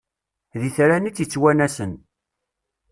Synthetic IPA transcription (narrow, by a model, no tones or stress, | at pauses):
ðiθɾænit͡sːjət͡sːwænæsən